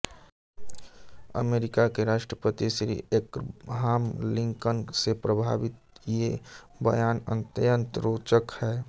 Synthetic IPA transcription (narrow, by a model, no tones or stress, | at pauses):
ə̰meːɾɪkakeɾaːʃʈɾəpət̪isɾḭʔeːkɦaːmlɪ̃ŋkənsepɾəbʱa̰ːbɪt̪je | bə̰jaːnə̰̃nt̪əjə̃nt̪ɾoːt͡ʃəkhɛː